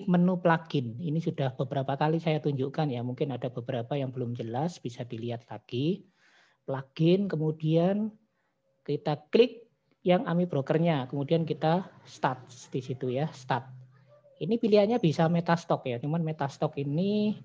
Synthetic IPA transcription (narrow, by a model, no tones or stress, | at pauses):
mənupəlaɡ̥ɪninisud̥ahb̥əbəɾapakalisajat̪uɲd͡ʒuʔkanjamuŋkɪnad̥abəbəɾapajaŋbəlʊmd͡ʒəlasb̥isad̥iliɦat̪̚laɡ̥i | plaɡ̥ɪnkəmud̥ian | kit̪aklɪk̚ | jaŋamib̥ɾokərɲakəmudiankit̪ast̪at̪̚sd̥isit̪ujast̪at̪̚ | inipiliaɲabisamet̪ast̪ɔkjat͡ʃumanmet̪ast̪ɔkini